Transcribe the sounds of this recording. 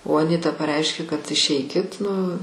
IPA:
oː ɐˈnʲɪtɐ pɐˈrʲɛɪʃʲkʲeː kɐt ɪʃʲˈɛɪkʲɪt nʊ

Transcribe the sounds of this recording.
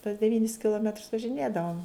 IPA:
tuɔs dʲɛˈʋʲiːnʲɪs kʲɪlˠoːˈmʲɛtrs ʋɐʒʲɪˈnʲeːdɐʋoːm

